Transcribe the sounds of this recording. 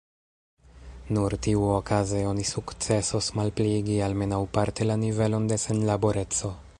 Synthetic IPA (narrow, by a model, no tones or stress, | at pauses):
nuɾtiuokazeo̞nisukt͡se̞sosmalpliɡialme̞nawpaɾte̞lanive̞lo̞nde̞senlabo̞ɾe̞t͡so̞